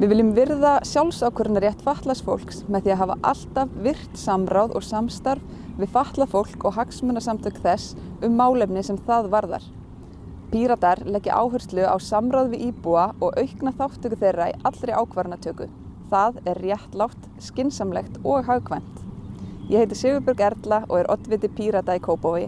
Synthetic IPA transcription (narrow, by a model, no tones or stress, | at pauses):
vɪðvɪlːʏmvɪɾðasjawlsawkʰœɾtnaɾjɛht̪faht̪lasfo̰wl̥ksmɛðθiaðɦaːva̰ʔa̰l̥t̪avvɪr̥t̪samɾawðɔ̰ɣsamst̪aɾv | vɪðfaht̪lafowl̥kɔɣɦaksmœːnasamt̪ʰœkθɛs | ʏmːaːwlɛpnɪsɛmθaðvaɾða̰ɾ̥ | pʰiɾat̪aɾlɛcːɪʔa̰ːwɦœ̥t̪lʏa̰wsamɾawðvɪðʔiːpuaɔɣʔœɥhknaθawht̪ʰœkʏθejrːaḭʔat̪lɾɪʔaːwkʰvaɾnat̪ʰœːkʏ̰ | θaðɛrːjɛht̪lawht̪ | scɪnsamlɛxt̪ɔɣɦaɣkʰvɛn̥t̪jɛhejt̪ɪ̥sɪːvʏɾpʏɾkɛɾt̪laɔɣɛɾʔɔ̰t̪vɪt̪ɪpʰiːɾat̪aikʰoːwpawvɪ